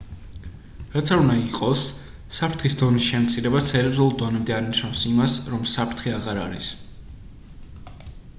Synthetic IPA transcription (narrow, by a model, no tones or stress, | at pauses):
ɾat̪sʰaɾund̪aiqʼɔsː | apʰɾt̪χisd̪ɔnisʃɛmt̪sʰiɾɛbaɛɾiɔzulˠud̪ɔnɛmd̪ɛaɾniʃnafsimasɾɔmsapʰɾt̪ʰχiaʁaɾa̰ɾḭs